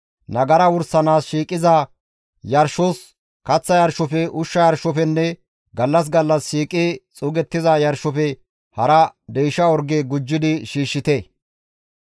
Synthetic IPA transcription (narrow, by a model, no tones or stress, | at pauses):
nɐɡɐɾɐwʊɾsɐnaːsʃiːkʼɪzɐ | jɐɾʃɔs | kɐt͡sːɐjɐɾʃɔfɛʔʊʃːɐjɐɾʃɔfɛnːɛ | ɡɐlːɐs̬ɡɐlːɐsʃiːkʼɪt͡sʼʊɡɛt̪ːɪzɐjɐɾʃɔfɛ | hɐɾɐd̪ɛjʃɐɔɾɡeɡʊd͡ʒːɪd̪ɪʃiːʃːɪt̪eː